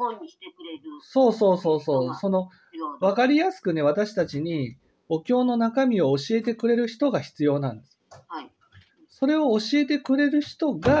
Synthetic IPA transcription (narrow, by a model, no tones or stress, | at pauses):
so̞ːso̞ːso̞ːso̞ːso̞no̞ | β̞akaɾʲijasɨ̥kɯ̟ne̞β̞at̪aɕi̥t̪at͡ɕiɲ̟i | o̞kʲo̞ːno̞nakamʲio̞ːɕie̞t̪̬e̞kɯ̟ɾe̞ɾɯ̟çi̥t̪o̞ɡaçi̥t͡sɨjo̞ːnã̰nd̪e̞sɨ̥ | so̞ɾe̞o̞ːɕie̞t̪̬e̞kɯ̟ɾe̞ɾɯ̟çi̥t̪o̞ɡa